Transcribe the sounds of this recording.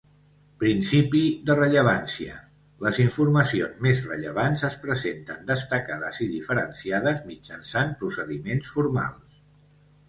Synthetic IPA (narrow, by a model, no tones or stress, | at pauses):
pɾinsipiðərəʎəβansiə̰ | ləziɱfuɾməsionzmezrəʎəβ̞anzəspɾəzent̪ənd̪əst̪əkaðə̰ziðifəɾənsiaðəzmid͡ʒənsanpɾusəðimensfuɾma̰lˠs